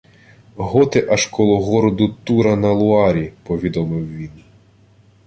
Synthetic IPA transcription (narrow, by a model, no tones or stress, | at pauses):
ɦɔt̪ɪʔɐʃkɔlˠɔɦɔɾɔd̪ʊt̪uɾɐnɐlˠʊɑɾʲipɔʋʲid̪ɔmɪwʋʲin